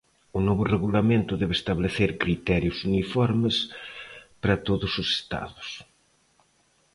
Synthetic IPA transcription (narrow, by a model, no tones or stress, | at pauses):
ʊnɔβʊreɣulamẽnt̪ʊðɛβest̪aβleθeɾkɾit̪ɛɾjʊsunifɔɾmes | pɾat̪oðʊsose̥st̪a̰ðʊs